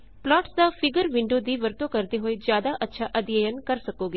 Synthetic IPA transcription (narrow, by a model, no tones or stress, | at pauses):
plɔːʈsd̪afɪɡəɾʋɪ̃ɳɖod̪iʋəɾt̪okəɾt̪eɦoːed͡ʒjaːd̪aʔətːʃʰaʔəd̪jəjənkəɾsəkoɡe